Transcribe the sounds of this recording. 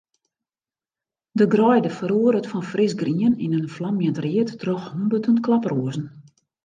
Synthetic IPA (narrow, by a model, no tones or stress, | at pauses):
dəɡrɔjdəfəɾuəɾətfɔnfrɪsɡriəninənflamjəntriətːrɔxhombətʰəntklaproəzn̩